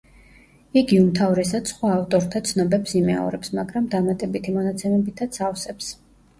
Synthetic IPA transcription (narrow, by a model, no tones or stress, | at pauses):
iɡiumt̪ʰavɾɛsad̪sχwaːft̪ʼɔɾt̪ʰat̪sʰnɔbɛpsimɛ̰ɔ̰ɾɛpsmaɡɾamd̪amat̪ʼɛbit̪ʰimɔnat̪sʰɛmɛbit̪ʰat̪sʰafsɛps